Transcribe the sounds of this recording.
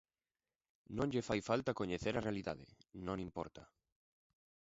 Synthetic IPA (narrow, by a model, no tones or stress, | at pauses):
nõnʎefajfalt̪akoɲeθeɾarealiða̰ðḛnõnĩmpɔ̰ɾt̪a